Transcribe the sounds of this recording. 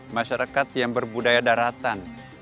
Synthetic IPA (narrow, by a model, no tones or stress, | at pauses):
maʃaɾakat̪̚jaŋbərbudajadaɾat̪an